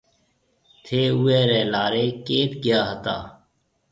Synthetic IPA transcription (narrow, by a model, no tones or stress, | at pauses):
t̪ʰeːueːɾeːlaːɾeːkeːt̪ɡɪjaːɦət̪a̰ː